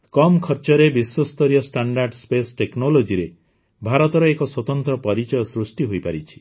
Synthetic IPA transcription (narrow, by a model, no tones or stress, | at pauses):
kɔmkʰɔɾt͡ʃɔɾebiswɔst̪ɔɾijɔsʈaɳɖaɾɖspesʈeknɔlod͡ʒiɾe | bʱaɾɔt̪ɔɾɔekɔswɔt̪ɔnt̪ɾɔpɔɾit͡ʃɔjɔsɾusʈiɦojpaɾit͡ʃʰi̥